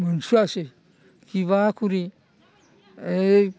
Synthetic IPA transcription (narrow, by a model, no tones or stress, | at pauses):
mansuase | kʰiβakuɾi | e